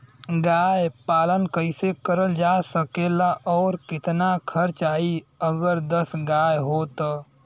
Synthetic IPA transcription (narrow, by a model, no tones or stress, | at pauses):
ɡaːjpaːlənkəɪsekəɾəld͡ʒaːsəkeːlaʔɔːɾkɪt̪nakʰəɾt͡ʃaːiəɡəɾd̪əsɡaːjɦoːt̪ː